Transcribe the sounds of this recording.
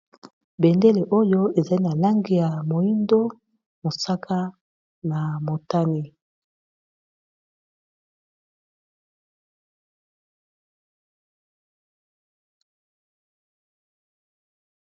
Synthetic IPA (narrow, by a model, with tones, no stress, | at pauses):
be˨nde˦le˨ʔo˦jo˦e˨za˨li˦na˨la˦ŋɡi˨ja˨mo˨i˦ndo˦ | mo˨sa˦kʰa˦ | na˨mo˨ta˦ni˦